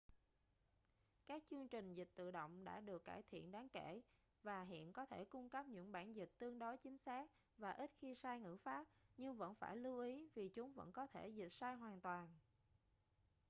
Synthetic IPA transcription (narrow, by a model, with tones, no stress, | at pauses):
kaː˦˥k̚t͡ɕɨ˧əŋt͡ɕï˨˩ŋ̟zi˨˩k̟̚t̪ɨ̰˧˨ɗo̰˧˨wŋ͡mɗa̰ː˧˥ɗɨ˨˩əkːaː˧˩jt̪ʰḭ˧˨ənɗaː˨˦ŋke˧˩ | vaː˨˩ɦḭ˧˨ənkɔ˨˦t̪ʰe˧˩kʊ˧ŋ͡mkə˦˥p̚ɲɨ̰˧˥ŋɓaː˧˩nzï˨˩k̟̚t̪ɨ˧əŋɗo˨˦jt͡ɕï˨˦ŋ̟saː˦˥k̚ | vaː˨˩ʔi˦˥t̚xi˧saː˧jŋɨ̰˧˥faː˦˥p̚ɲɨ˧ŋvə̰˧˥nfaː˧˩jlɨ˧wʔi˨˦vi˨˩t͡ɕʊ˨˦ŋ͡mvə̰˧˥nkɔ˨˦t̪ʰe˧˩zi˨˩k̟̚saː˧jɦwaː˨˩nt̪waː˨˩n